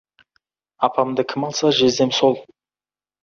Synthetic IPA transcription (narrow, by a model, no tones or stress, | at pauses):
ɑpʰɑmd̪əkʲʰɪmɑlˠsɑʒe̞zd̪e̞mso̞lˠ